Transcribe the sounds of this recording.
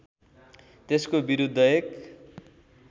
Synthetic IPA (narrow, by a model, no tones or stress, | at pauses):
t̪eskobiɾud̪ʱːʌek